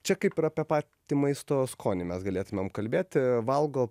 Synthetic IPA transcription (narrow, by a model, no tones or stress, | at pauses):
t͡ʃʲɛkɐɪpɪɾɐːpʲepɑːt̪ʲiːmɐɪst̪oːskʰoːnʲɪmʲɛsɡɐlʲeːt̪ʊmʲemkɐlʲbʲeːt̪ʲʋɐlˠɡoː